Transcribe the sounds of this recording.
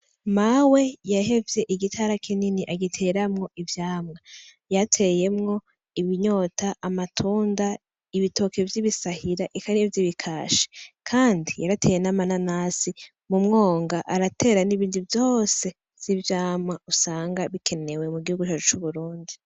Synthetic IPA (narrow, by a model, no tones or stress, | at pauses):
mawejahe̞vje̞ʔiɡitʰaɾakʰininiʔaɡitʰe̞ːɾamŋo̞ʔivjaːmŋa | jatʰe̞je̞mŋo̞ | iβiɲo̞ːtʰaʔamatʰuːnda | iβitʰoke̞vjiβisahiɾaʔikaɾevjiβikʰaːʃe̥kʰaːndijaɾatʰejenamananasi | mumŋo̞ːŋɡaʔaɾatʰe̞ːɾaniβiːnduvjo̞ːse̞ | z̥ivjaːmŋausaːŋɡaβikʰe̞ne̞we̞muɡihuɡut͡ʃat͡ʃu̥t͡ʃuβuɾuːndi